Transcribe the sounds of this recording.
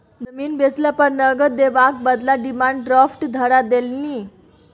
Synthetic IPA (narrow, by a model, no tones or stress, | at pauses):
d͡zəmiːnbesləpəɾnəɡəd̪eʋak̚bəd̪laɖimaɳɖɾafʈd̪ʱəɾad̪elni